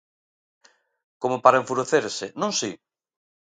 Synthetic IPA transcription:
komopaɾaẽɱfuɾeθeɾsɪnõŋsi

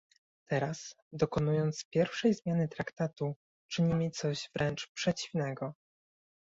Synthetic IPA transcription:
t̪ɛɾas | d̪ɔkɔnujɔnt̪spʲjɛɾfʂɛjzmʲjanɘt̪ɾakt̪at̪u | t͡ʂɘɲimɘt̪sɔʑv̥ɾʔɛnt͡ʂpʂɛt͡ɕivnɛɡɔ

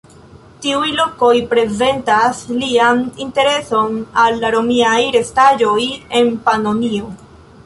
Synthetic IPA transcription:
tiujlo̞ko̞jpɾe̞ze̞ntaslianinte̞ɾe̞so̞nalːaɾo̞miajɾe̞staʒo̞je̞npano̞nio̞

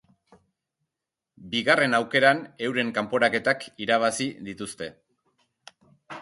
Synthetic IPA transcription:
biɣare̞nawke̞ɾane̞wɾe̞ŋkampo̞ɾake̞t̪akiɾaβ̞asiðit̪ust̪e̞

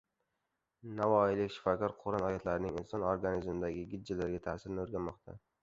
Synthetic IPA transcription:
navɒɪlɪkʲʃɪ̥fɒkʰʲɒɾqʰoɾanɒjat̪ʰlaɾɪnɪŋɪnsɒnoɾɡanizmɪd̪aɡʲɪɡʲɪd̪̚d͡ʒːɪlaɾɡʲat̪ʰaːsɪɾnɪoɾɡʲanmɒqt̪ʰa̰

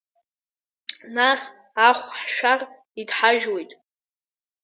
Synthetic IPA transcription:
nas | aχʷħʃᶣar | idħaʒwojtʼ

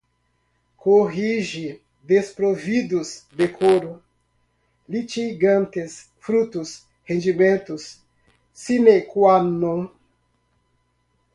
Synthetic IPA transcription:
kʰoɦiʒi | d̪espɾovid̪ʊsd̪ekʰoɾʊ | lit͡ʃiɡɐ̃nt̪es | fɾut̪ʊs | hẽnd͡ʒimẽnt̪ʊsː | inekwanõ

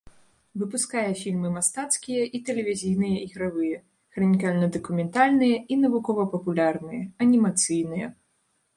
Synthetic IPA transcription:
vɨpuskajɛfʲilʲmɨmast̪at̪skʲijɐʔit̪ɛlʲevʲizʲijnɨjɐʔiɣɾavɨjɐ | kɾɐnʲikalʲnɐd̪ɐkumʲɛnt̪alʲnɨjɐinɐvukɔvɐpɐpulʲarnɨjɐɐnʲimat̪sɨjnɨjɐ̰

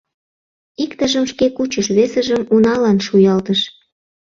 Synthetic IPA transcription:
ikt̪əʒəmʃkekut͡ɕəʃβesə̆ʒəmunɑlɑnʃujɑlt̪əʃ

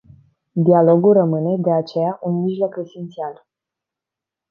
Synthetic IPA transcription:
d̪ialo̞ɡulrəmɨne̞d̪e̞at͡ʃe̞jaʔunmiʒlo̞ke̞se̞nt̪sial

